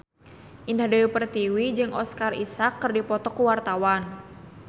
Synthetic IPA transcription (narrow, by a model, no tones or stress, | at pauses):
ʔindahdawipərt̪iwid͡ʒɨŋʔɔ̰skarḭsakːɨrdipɔt̪ɔkuwart̪awan